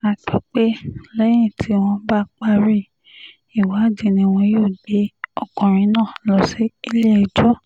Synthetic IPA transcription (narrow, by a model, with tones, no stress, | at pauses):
a˨k͡pɔ˨˦k͡pe˦lɛ˦j̃ĩ˦˨tʰi˨˧˦w̃ɔ̃˧ba˦k͡pa˦ɾi˦ | i˨wa˨˦˨dĩ˨nĩ˧w̃ɔ̃˧joː˦˨de˨˦ɔ˦˨kɔ̃˨ɾ̃ĩ˨˦nãː˦˨lɔ˨si˦i˦le˦˨i˨d͡ʒɔ˦